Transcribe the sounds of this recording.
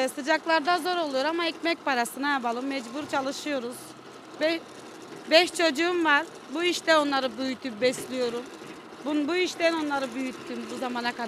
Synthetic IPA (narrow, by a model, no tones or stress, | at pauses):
sɯd͡ʒaklˠaɾd̪azo̞ɾo̞lˠujo̞ɾamaɛcmɛc̚paɾasɯnajapalˠɯmːɛd͡ʒbuɾt͡ʃʰalˠɯʃɯjo̞ɾuz̥ | bɛʃ | bɛʃt͡ʃʰo̞d͡ʒuːmvaɾ | buiʃt̪ɛo̞nlˠaɾɯbyjyt̪ʰːymbɛslʲijo̞ɾum | bunbuiʃt̪ɛno̞nlˠaɾɯbyjyt̪ʰːyːmbuzamanaka